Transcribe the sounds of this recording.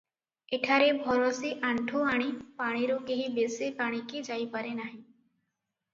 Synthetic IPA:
eʈʰaɾebʱɔɾɔsiʔaɳʈʰoaɽ̃ipaɽ̃iɾukeɦĩbesepaɽ̃iked͡ʒajpaɾenaɦĩ

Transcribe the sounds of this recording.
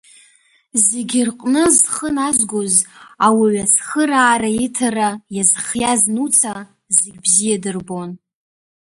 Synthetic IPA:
zeɡʲɪrqʷʼnɨzχənazɡʷozawaɥat͡sʰχəɾaːɾaitʰarajazχjaznut͡sʰa | zeɡʲbzijadɨrbon

